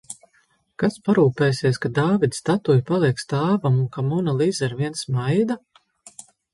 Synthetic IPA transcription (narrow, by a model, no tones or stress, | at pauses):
kaspaɾuːpeːsiɛskad̪aːvid̪st̪at̪ujpalˠiɛkst̪aːvamunkamunalˠizɛɾviɛnsmajd̪a